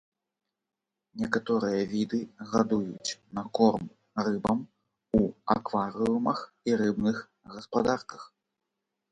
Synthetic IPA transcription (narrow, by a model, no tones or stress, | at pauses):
nʲɛkat̪ɔɾɨjɐvʲid̪ɨɣad̪ujṵt͡sʲnɐkɔrm | rɨbɐm | ua̰kvaɾɨumɐx | iɾɨbnɨx | ɣɐspad̪arkɐx